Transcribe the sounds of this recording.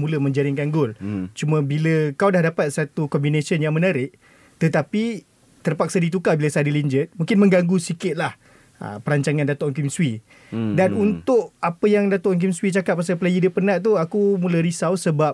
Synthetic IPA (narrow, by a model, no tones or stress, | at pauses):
mũləmə̃ɲd͡ʒaɾɪŋkanɡʊlt͡ʃumə̃biləkawdahdapat̪̚sat̪ukɔmbinesənjaŋmə̃naɾɪʔ | t̪ət̪api | t̪ərpak̚sadit̪̬ukabiləsaadiliɲd͡ʒət̪̚mũŋkɪnmə̃ŋɡaŋɡusikɪt̪̚lah | ə̰pəɾaɲt͡ʃaŋãndat̪ɔʔkimswi | danunt̪ʊʔ̚apəjaŋdat̪oʔŋk̬imswit͡ʃakat̪̚pːasaplajidəpənaʔt̪̬uakumuləɾisawsəbap̚